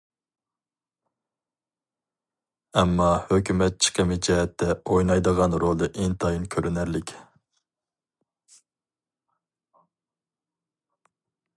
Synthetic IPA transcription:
ɛmːɑhøkʲymɛt̪̚t͡ʃʰə̥qʰəmɪd͡ʒɛɦɛt̪ʰːɛojnɑjd̪əʁɑnɾolˠd̪ɨʔɪnt̪ʰɑjinkʲʰøɾynæɾlɪkʲ

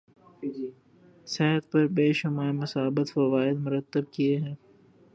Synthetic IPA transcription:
sɛɦət̪̚pɐɾbeːʃɐmaːemɐsaːbət̪fɐʋaːɪd̪mʊɾət̪ːəb̚kieɦɛ̃ː

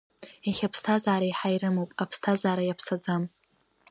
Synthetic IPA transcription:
aχʲapʰstʰazaːɾaiħajɾɨmowpʼapʰstʰazaːɾajapʰsad͡zam

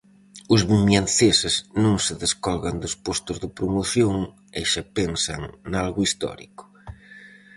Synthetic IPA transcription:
ʊzβumjanθesɪznõŋsɪðeskɔlɣand̪ospost̪ʊzðɪpɾomoθjoŋ | ejʃapensa̰ŋnalɣʊist̪ɔ̰ɾḭkʊ̥

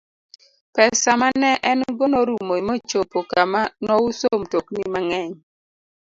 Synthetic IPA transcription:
pɛsamanɛʔɛnɡonoɾumoimot͡ʃopokamanɔusomtoknimaŋɛɲ

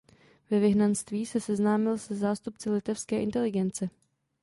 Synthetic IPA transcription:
vɛvɪɦnanst̪viːsɛsɛznaːmɪlsɛzaːst̪upt͡sɪlɪt̪ɛfskɛːʔɪnt̪ɛlɪɡɛnt͡sɛ

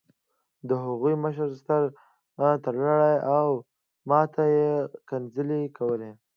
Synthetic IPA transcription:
d̪əɦaɣujməʃəɾst̪əɾ | at̪əɾlaɽajaw | mɑt̪ʰajekanzəlekawəle

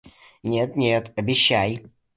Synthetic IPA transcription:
nʲet̪nʲet̪ɐbʲɪɕːæj

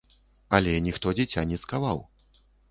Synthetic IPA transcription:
ɐlʲɛnʲixt̪ɔd͡zʲɛt͡sʲanʲɛskavaw

